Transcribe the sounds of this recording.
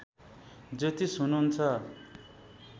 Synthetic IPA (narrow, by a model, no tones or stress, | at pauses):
d͡zʌt̪isunuɦunt͡sʰʌ